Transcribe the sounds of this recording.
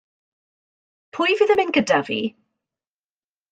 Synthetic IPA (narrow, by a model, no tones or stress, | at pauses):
pʰʊjvɪðəmɪnkədəvḭ